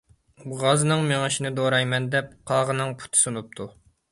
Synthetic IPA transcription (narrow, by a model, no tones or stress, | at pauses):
buʁɑznɨŋmeŋɨʃinɪd̪oɾɑjmɛnd̪ɛp̚qʰɑːʁənɨŋpʰu̥t̪ʰɨ̥sunup̚t̪ʰu